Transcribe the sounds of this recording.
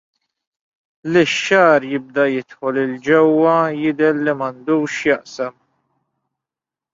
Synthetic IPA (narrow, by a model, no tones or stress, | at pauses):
lɪʃːɐːɾjɪb̚d̪ɐjɪt̪ħɔlɪld͡ʒɛwːɐjɪd̪ɛɾːimɐnd̪uːʃjɐʔsɐm